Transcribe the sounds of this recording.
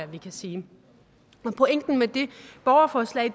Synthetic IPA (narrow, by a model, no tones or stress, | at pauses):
æʋikʰæsiː | ɒ̽pʰo̽eŋ̰d̥n̩med̥e̝b̥ɒʊɐfɒːslɛ̰ːɪ